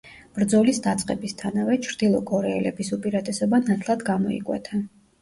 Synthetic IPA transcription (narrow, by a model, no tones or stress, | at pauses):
b̥ɾd̪zɔlisd̪at̪sʼqʼɛ̰bist̪ʰanavɛt͡ʃʰɾd̪̥ilˠɔɡɔɾɛːlɛbisupʼiɾat̪ʼɛsɔbanat̪ʰlˠad̪ɡamɔḭkʼwɛ̰t̪ʰa